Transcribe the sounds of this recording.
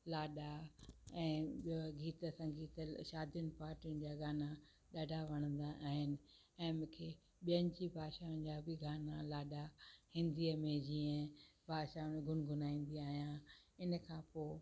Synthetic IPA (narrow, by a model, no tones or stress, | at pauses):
laːɗaɛ̃ːɡiːt̪əsɐ̃ŋɡiːt̪əʃaːd̪ʱijʊnɪ̆paːɾʈiʊnɪ̆d͡ʑaːɡaːna | ɗaːɖʱaʋɐɽ̃ə̃nd̪aʔaːɦɪnɪ̆ | ɛ̃ːmʊ̃ːkʰe | ɓijənɪ̆d͡ʑibʱaːʃaːʊñd͡ʑaːbʱɪɡaːnalaːɗahĩnd̪iəmẽd͡ʑiːə̃bʱaːʃaːʊnɡʱʊnɡʱʊnaːĩːn̆d̪iaːɦijãɪnə̆kʰãːpoː